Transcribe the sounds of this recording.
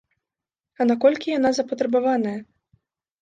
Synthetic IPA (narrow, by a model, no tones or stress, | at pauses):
ɐnakɔlʲkʲijanazɐpɐt̪ɾɛbavanɐjɐ